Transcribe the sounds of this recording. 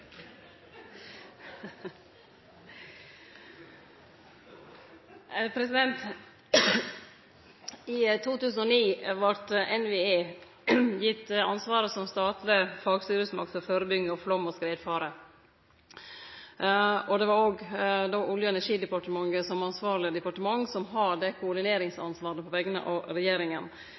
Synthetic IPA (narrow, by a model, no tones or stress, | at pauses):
pʰɾɛsɪd̪ɛnt̪ | iːt̪ʰuːt̪ʉːsən̩ɔniːʋɑɾʈʔɛnʋɛeː | jɪt̪ːɑnsʋɑːɾəsɔmst̪ɑːt̪lɪfɑːɡst̪yːɾəsmɑkt̪fɔɾføːɾəbʏŋːəɔflɔmːɔskɾeːd̪fɑːɾə | ʔɔd̪ɛʋɑɾoːɡd̪oːʔʊljəɛnəʂiːd̪ɛpɑʈəmɑŋɡəsɔmɑnsʋɑːɾɭɪəd̪ɛpɑʈəmɑŋːsɔmɦɑɖ̪ɛkʰʊʊɖɪneːɾɪŋsɑ̰nsʋɑːɾəpʰɔʋɛɡənə̰ʔɑɾɛjeːɾɪŋən